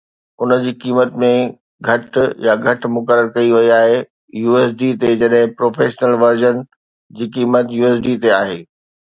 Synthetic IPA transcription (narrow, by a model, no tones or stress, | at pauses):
ʊnə̆d͡ʑiːkiːmət̪mẽ | ɡʱɐʈjaɡʱɐʈmʊkəɾəɾkɐiʋɐiaːɦe | juːeːs̬ɖit̪ed͡ʑɐɗɦɪ̃pɾoːfʰeːʃnəlʋɐɾd͡ʑən | d͡ʑiːkiːmət̪juːeːs̬ɖiːt̪eaːɦeː